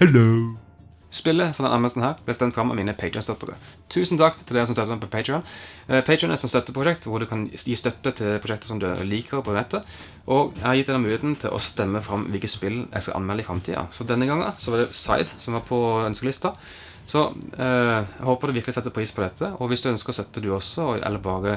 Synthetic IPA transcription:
hɛlo | spɪlːəfɾɔd̪ɛnɑnmɛlst̪n̩hæːɾblæst̪ɛmt̪fʁɑmːɑ̰miːnəpʰeɪt̪ʰɹɪɔnst̪œt̪ːəɾə̰t̪ʰʉːsnt̪ʰɑkːt̪ʰɪld̪ɛːɾəsɔmst̪œt̪ːəmɛɪpʰɔpʰeɪt̪ɹɪɔnpʰɛɪtʰɪɔnɛsɔnst̪œt̪ːəpʰɾʊʃɛkt̪ʋʊd̪ʉkʰɑnjiːst̪œt̪ːət̪ʰɪlpʰʁʊʃɛkt̪əɾsɔmd̪ʉ̰liːkʰəɾpʰɔnɛt̪ːə | ʔɔɡɛhɑɾjɪt̪ːɛnɑmʉːɪeːt̪nt̪ʰɪlʔɔ̰st̪ɛmːəfɾɑmːʋɪlkət̪spɪlɛ̰skɑ̰ʔɑ̰nmɛləɪfɾɑmt̪ʰḭːɑ̰sɔd̪ɛnːəɡɑŋːəsɔʋɑd̪ɛsɑ̰ɪd̪sɔmʋɑɾpʰɔœnskəlɪst̪ɑ | sɔ | hoːpəɾd̪ʉʋɪɾklɪsɛt̪ːəpʰɾiːspʰɔd̪ɛt̪ʰːəɔʋɪsd̪ʉœnskəst̪œt̪ːəd̪ʉɔsːɔɛ̰lːəɾbɑːɾə

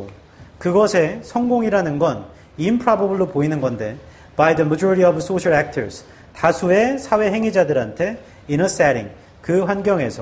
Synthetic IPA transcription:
kɯɡʌsʰe̞sʰʌŋɡoŋiɾanɯnɡʌn | impʰɾabobɯɭːopoinɯnɡʌnde̞ | baidɯmʌd͡ʑuɾiɾiʌbs͈oɕʰaɾak̚tʰʌɾs | tasʰue̞sʰawe̞ɦe̞ŋid͡ʑadɯɾɦantʰe̞ | inʌsaɾḭŋ | kɯɸwanɡjʌŋe̞̰sʰʌ

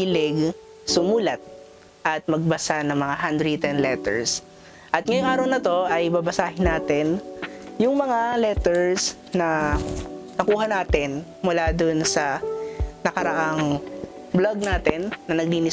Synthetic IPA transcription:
ilɪɡ | sʊmuːlɐt̪̚ | ʔɐt̪̚mɐɡ̚bɐsanɐŋmɐŋaɦand̪ɾit̪ɛnlɛt̪ɛ̰ɹs | ʔɐt̪̚ŋɐjoŋʔaːɾɐwnɐt̪o̞ʔɐjbɐbɐsaːɦɪnaːt̪ɛnjʊŋmɐŋalɛt̪ɛɹs | nɐ | nɐkuːɦɐnaːt̪ɛn | mʊlaːd̪onsɐ | nɐkɐɾɐʔaŋ | bloɡ̚naːt̪ɛnːɐnɐɡ̚liːnɪ

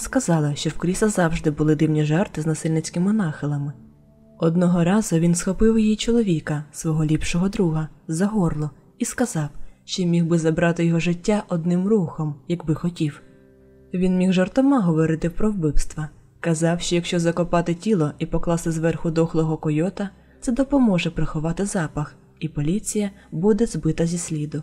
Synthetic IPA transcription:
skɐzɑlˠɪʃt͡ʃɔwkɾʲisɐzɑwʒd̪ɪbʊlˠɪd̪ɪwnʲiʒɛrt̪ɪznɐsɪlʲnɪt͡sʲkɪmɪnɑxɪlˠɐmɪ | ɔd̪nɔɦɔɾɑzʊʋʲinsxɔpɪwjijit͡ʃɔlˠɔʋʲikɐsʋɔɦɔlʲipʃɔɦɔd̪ɾuɦɐzɐɦɔrlˠɔ | iskɐzɑwʃt͡ʃɔjmʲiwbɪzɐbɾɑt̪ɪjɔɦɔʒɪtʲːaʔɔd̪nɪmruxɔmjɐɡbɪxɔtʲiw | ʋʲinmʲiɣʒɔrt̪ɔmɑɦɔʋɔɾɪt̪ɪpɾɔwbɪwst̪ʋɐ | kɐzɑwʃt͡ʃɔjɐkʃt͡ʃɔzɐkɔpɑt̪ɪtʲilˠɔipɔklˠɑst̪ɪzʋɛrxʊd̪ɔxlˠɔɦɔkɔjɔt̪ɐ | t̪sɛd̪ɔpɔmɔʒɛpɾɪxʊʋɑt̪ɪzɑpɐx | ipɔlʲit͡sʲijɐbud̪ɛzbɪt̪ɐzʲisʲlʲid̪ʊ

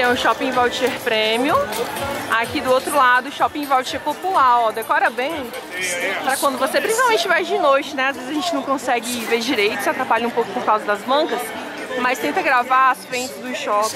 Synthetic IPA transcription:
t̪ẽj̃ʊ̃ʃɔpĩvawt͡ʃieɾpɾẽmiʊ | akid̪ʊowt̪ɾʊlad̪ʊːʃɔpĩvawt͡ʃieɾpopulaɾɔd̪ekɔɾɐbẽj̃ | pɾɐkwɐ̃nd̪ʊvosepɾisawmẽt͡ʃɪvajd͡ʒɪnojt͡ʃɪnɛazvezɪzʒẽnt͡ʃɪnɐ̃w̃kõsɛɡɪveɾd͡ʒiɾejt̪ʊ̥sat̪ɾapaʎɐũpowkʊ̥poɾkawzɐd̪ɐzmɐ̃kɐs | mɐst̪ẽnt̪ɐɡɾavaasfɾẽnt̪ʊzd̪ʊʃɔp

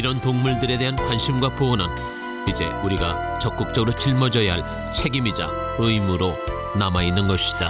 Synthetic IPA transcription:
iɾʌntoŋmuɭdɯɾe̞deɦankwanɕʰimɡwapoonɦan | id͡ʑe̞uɾiɡa | t͡ɕʌk̚k͈uk̚t͡ɕ͈ʌɡɯɾot͡ɕiɭmʌd͡ʑʌjaɦaɭ | t͡ɕʰe̞ɡimid͡ʑa̰ | ɯimɯɾo | namainːɯnɡʌɕʰi̥d̥a

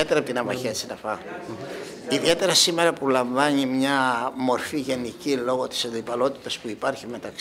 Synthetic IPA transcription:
et̪eɾɐpot̪inɐmɐçesinɐfɐɣnu | iðie̞t̪e̞ɾɐsime̞ɾɐpulɐɱvɐɲimɲɐmo̞ɾfiʝe̞nicilo̞ɣo̞t̪i̥sɐnd̪ipɐlo̞t̪i̥t̪ɐspuipɐɾçime̞t̪ɐk

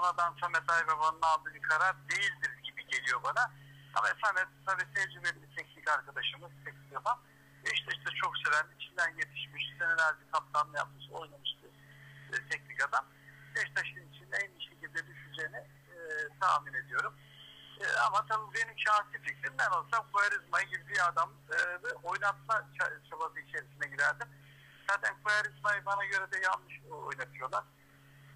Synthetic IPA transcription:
bonad̪ant̪ʰamɛt̪ajvɛvanmad̪ˠɯb̪ʲikʰaɾaɾd̪ejilʲd̪iɾizɟibiɟe̞lʲijo̞bana | a̰maefænd̪ɛmt̪ʰabit̪ʰɛɾd͡ʒimelimʲit̪ʰɛcnʲicaɾkad̪aʃɯmɯt̪ʰɛcnicad̪am | vɛiʃt̪ʰɛʃt̪ʰɛt͡ʃʰo̞ksevænlʲiit͡ʃʰind̪ænje̞t̪ʰi̥ʃmiʃid̪ɛneɾalʲd̪ɛkʰap̚sanlˠɯjap̚mɯsojlˠamɯʃt̪ʰɯ | t̪ʰɛcnicad̪am | bɛʃt̪ʰaʃɯnit͡ʃʰind̪ɛɛniʃecʰilʲd̪ɛb̪iʃyd͡ʒenɛ | t̪ʰaːmine̞d̪ijo̞ɾum̰ː | amat̪ʰabbe̞nimʃaːnsific̚t̪ʰimb̪ɛno̞lˠsamkʰojaɾizmajɟibbiad̪am | ɯɛʔo̞jnat̪lˠat͡ʃʰat͡ʃʰabazɯit͡ʃʰe̞ɾisinɛɟiɾæɾd̪im | z̥aːt̪ʰænkʰojaɾizmajɯbanaɟø̞ɾɛd̪ɛjalˠnɯʃo̰jnabilˠijo̞lˠaɾ̥

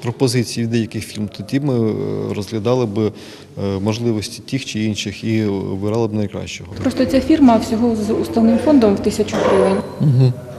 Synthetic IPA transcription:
pɾɔpɔzɪt͡sʲijid̪ɛjɐkɪxfʲilʲmt̪ɔdʲimɪɾɔzɦlʲɐd̪ɑlˠɪbɪ | mɔʒlˠɪʋɔsʲtʲi̥tʲixt͡ʃɪinʃɪxiʋɪɾɑlˠɪbɪnɐjkɾɑ̰ʃt͡ʃɔɦɔpɾɔst̪ɔt͡sʲafʲirmɐwsʲɔɦɔzust̪ɐwnɪmfɔnd̪ɔmwt̪ɪsʲɐt͡ʃʊɦɾiʋɪn̩ʲɦ̩

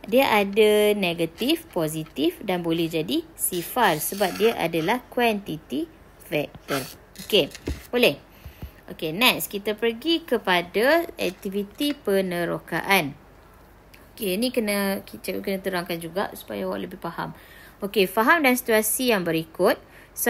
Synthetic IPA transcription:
diaʔadaneɡat̪ifpozit̪ifdanbolɛhd͡ʒadisifarsəbap̚diaʔa̰dalahkwant̪it̪i | fɛk̚t̪ər | okebolɛh | ʔokenɛʔskit̪apərɡikəpadaɛk̚t̪ivit̪ipənəɾoka̰ʔan | kenĩkənakit͡ʃakənãt̪əɾaŋkand͡ʒuɡa̰ʔsu̥pa̰jawa̰ʔləbɪhfaha̰m | okefaɦamdansi̥t̪uasijaŋbəɾikʊt̪̚ | s

